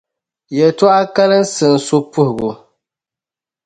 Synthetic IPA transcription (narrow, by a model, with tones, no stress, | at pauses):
jɛ˨tʊ˦a˦ka˦lɨ˦n˦sɨ˨n̩˨so˦pʊ˦hʊ˨ɡʊ˨